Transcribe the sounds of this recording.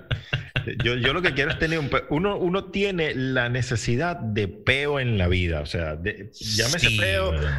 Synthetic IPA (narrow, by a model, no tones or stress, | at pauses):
ʝoʝo̞lo̞kek̬je̞ɾoe̞st̪e̞neɾumpeʔuno̞ʔuno̞t̪je̞ne̞lane̞se̞siðaðd̪e̞pe̞oe̞nlaβiða̰ose̞̰a̰ðe | ʝamesepeo